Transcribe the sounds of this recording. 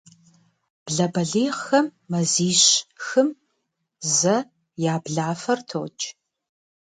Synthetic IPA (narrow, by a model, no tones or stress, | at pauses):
b̥ɮɐbɐɮiːʁxɐmːɐziːɕxɨm | zɐ | jaːbɮaːfɐrtʰo̰ːt͡ʃʼ